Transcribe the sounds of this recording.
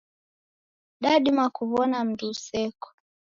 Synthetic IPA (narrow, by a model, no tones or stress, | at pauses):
ɗaɗimakuβɔnam̩dusɛkɔ̥